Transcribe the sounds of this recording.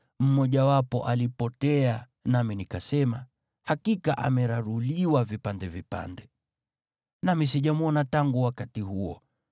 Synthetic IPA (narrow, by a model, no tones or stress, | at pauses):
m̩mɔʄawapɔʔalipɔtɛa | naminikasɛma | hakikaʔa̰mɛɾaɾuliwavipandɛvipa̰ndɛ | namis̬iʄamwɔnataŋɡuwakatihuɔ̰